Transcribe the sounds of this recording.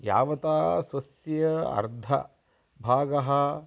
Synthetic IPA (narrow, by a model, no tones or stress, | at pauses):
ja̰ːʋɐt̪aːsʋɐsjɐɐ̰ɾd̪ʱɐ̰ | bʱaːɡɐɦɐ